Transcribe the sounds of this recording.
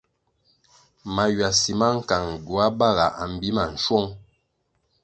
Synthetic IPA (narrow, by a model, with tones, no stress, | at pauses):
ma˨jwa˨si˨ma˦ŋ̩˨ka˨ŋɟu˨a˦ba˦˨ɣa˨ʔa˨m̩˨bi˦ma˨n̩˨ʃwɔ˦ŋ